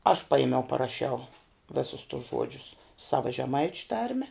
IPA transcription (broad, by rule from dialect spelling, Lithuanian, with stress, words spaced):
ɐʃ ˈpɑːjɪmʲɛʊ pɐrɐˈʃʲɛʊ ˈʋʲɪsʊs tʊs ˈʒuɔd͡ʒʲʊs ˈsɑːʋɐ ʒʲɛˈmɐɪt͡ʃʲʊ ˈtɐrʲmʲɛ